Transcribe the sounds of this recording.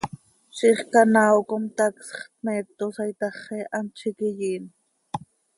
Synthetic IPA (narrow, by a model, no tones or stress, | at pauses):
ʃiχkanaokomt̪aksχt̪̚met̪osajt̪ɑχeʔant͡ʃʰikijiːn